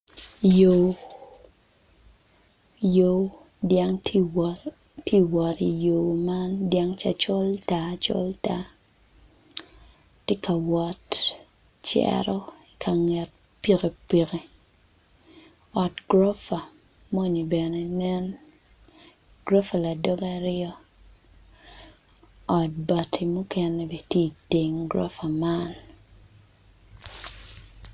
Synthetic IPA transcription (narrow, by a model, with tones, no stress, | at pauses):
jo˨ | jo˨˦ | dja˦ŋʰ | tʰi˦wɔ˨ti˨jo˨ma˦ndja˦ŋt͡ʃa̰˦t͡ʃɔ˦lta˦t͡ʃɔ̰˦lta˦ | ti˦ka˨wɔ˨t | t͡ʃɛ̰˦ɾɔ˦i˨kʰa˨ŋɛ˨t̚ | pi˨ke˨pi˨ke˨ | ɔ˨tɡɾo˦fa˨ | mo˦ɲi˨bɛ˨ne˦nɛ˦n | ɡ̥ɾo˦fa˨la˨dɔ˦ɡaɾɪɔ˦ | ɔ˨t̚ba˨tʰi˨mu˦kɛ˨ne˦be˨tje˦i˨ti˨ŋɡɾɔ̰˦fa˨ma˦l